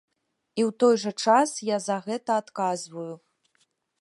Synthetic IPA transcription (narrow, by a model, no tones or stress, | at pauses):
iwt̪ɔjʐɐt͡ʂasjazɐɣɛt̪ɐːt̪kazvuju